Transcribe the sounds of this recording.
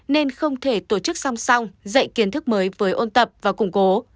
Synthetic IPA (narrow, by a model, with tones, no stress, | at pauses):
ne˧nxə˧wŋ͡mt̪ʰe˧˩t̪o˧˩t͡ɕɨ˦˥k̚sa˧wŋ͡msa˧wŋ͡mzə̰˧˨jki˨˦ənt̪ʰɨ˦˥k̚məː˨˦jvəː˨˦jʔo˧nt̪ə˨˩p̚vaː˨˩kʊ˧˩ŋ͡mko˨˦